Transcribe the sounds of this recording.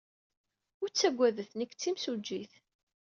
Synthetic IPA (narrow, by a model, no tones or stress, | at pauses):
ʊɾt͡sːæɡʷːæðəθnəkːt͡sːimsud͡ʒːiθ